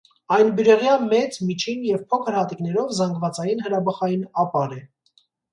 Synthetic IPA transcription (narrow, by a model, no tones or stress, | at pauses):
ɑjnbəɾɛʁjɑmɛt͡smit͡ʃʰinjɛvpʰɔkʰəɾhɑt̪iknɛɾɔvzɑŋɡvɑt͡sɑjinɦəɾɑbɑχɑjinɑpɑɾɛ